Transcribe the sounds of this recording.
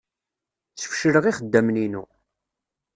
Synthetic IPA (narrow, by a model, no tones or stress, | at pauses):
t͡sːə̥fʃɾəʁiχəd̪ːæmninṵ